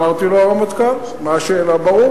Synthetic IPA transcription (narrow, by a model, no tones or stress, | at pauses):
aʁt̪iloaʁamat̪ka | maaʃeːlabaʁu